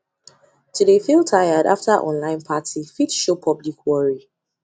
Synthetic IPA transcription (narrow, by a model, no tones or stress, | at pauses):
tʰudefilˠtʰajada̰ftaʔɔ̰̃nlãɪ̃npʰatʰifitʃopʰʌblikʰwɔɹi